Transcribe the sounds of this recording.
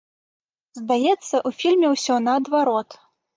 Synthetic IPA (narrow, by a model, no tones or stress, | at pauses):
zd̪ajɛt̪sːɐʔufʲilʲmʲɛwsʲɔnɐɐd̪vaɾɔt̪